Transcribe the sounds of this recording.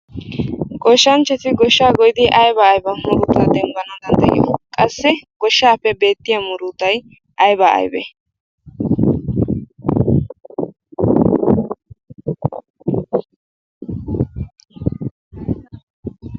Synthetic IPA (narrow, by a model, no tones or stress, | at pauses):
ɡɔʃːɐnt͡ʃːɛt̪ɪɡɔʃːaːɡɔjd̪ɪʔɐjbɐːjbɐmʊɾʊt̪ːaːd̪ɛmbɐnɐd̪ɐnd̪ɛʔɪ̰jɔ̰kʼɐsːɛɡ̥ɔʃːaːpːɛbe̞ːt̪ːɪjamʊɾʊt̪ɐj | ʔɐjbɐɐ̰jbɛ̰